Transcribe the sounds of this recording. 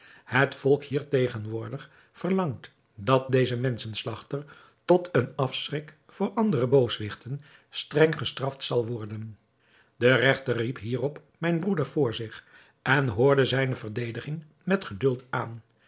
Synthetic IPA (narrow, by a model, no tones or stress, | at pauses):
hətfɔlˠkhiːɹtejχənʋʊːɹdəχ | fəɹlɑŋt | dɑt̚dejzəmɛnsənslɑχtər | tɔtʰənɑfsrɪk | fʊːɹʔɑndərəbowsʋɪχtən | strɛŋχəstrɑftsɑlˠʋɔɹdən | dərɛχtərːipɦiːrɔp | mɛjnbrudəɹv̥ʊːɹzɪχ | ʔɛnɦʊːɹdəzɛjnəvəɹdejdəχɪŋ | mɛtχədɵlˠtaːn